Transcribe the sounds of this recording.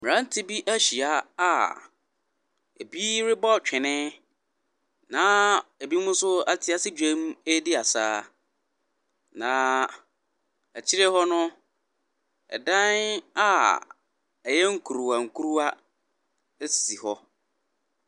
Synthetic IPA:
mɪ˨ã˦n̩˦tʰɪ˦bi˦ʔæ˦ɕi˨a˦a˦˨ | ḛ˨bi˦ɾɪ˦bɔ˦˨t͡ɕᶣɪ˨nɪ̃˦ | nãː˨˦e˨bi˦mʊ̃˦sʊ˦a˦tʰɪ˨a˦sɪ˦dᶣẽ˦mũ˦e˦dɪ˦a˨sa̰ː˦ | nãː˨ | æ˨t͡ɕʰi˦ɾɛ˦hɔ˦nʊ̃˦ | ɛ̰˨dã˦na˦ | ɛ˨jɛ˦ŋ̩˦kʰu˨ɾu˨a˨ŋ̩˨kʰu˦ɾu˦a˦ | e˦si̥˨si˨hɔ˦

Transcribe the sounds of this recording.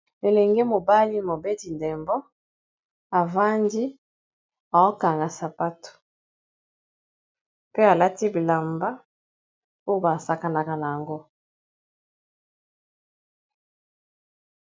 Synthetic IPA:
e˨lɛ˨ŋɡe˦mo˨ba˦li˦mo˨be˦ti˨nde˨mbɔ˦ | a˨va˦ndi˦ | a˨o˦ka˨ŋɡa˨sa˨pa˦to̥˨ | pe˦a˨la˦ti˦bi˨la˨mba˦ | o˦jo˦ba˨sa˨ka˨na˨ka˨na˨ja˨ŋɡo˦

